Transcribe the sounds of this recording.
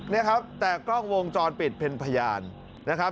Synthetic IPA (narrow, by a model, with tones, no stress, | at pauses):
ni˦˥ɐkʰa˦˥p̚t̪ɛː˨˩k̚kɔ˥˩ŋwo˧ŋt͡ɕɔː˧npi˨˩t̪̚pʰe˧npʰa˧jaː˧nː | a˦˥kʰa˦˥